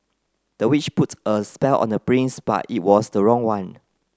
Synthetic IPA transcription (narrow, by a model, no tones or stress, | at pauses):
d̥əwit͡ʃputəspɛlɔ̰̃nəpɹĩnsb̥a̰tḭt̚wɔsdəɹɔ̃ŋwãn